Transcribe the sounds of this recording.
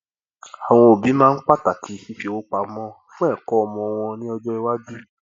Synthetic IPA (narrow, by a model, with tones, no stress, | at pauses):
a˨w̃ɔ̃˧o˨bi˨˦mãː˦˧n̩˦k͡pa˦ta˨kʰi˨˧fi˧˦fi˧wo˦k͡pa˧mɔ̃˧fũ˦ɛ˦˨kɔ˦ɔ˧mɔ̃˧w̃ɔ̃˧nĩ˦ɔ˧d͡ʒɔ˦i˧wa˦d͡ʒu˦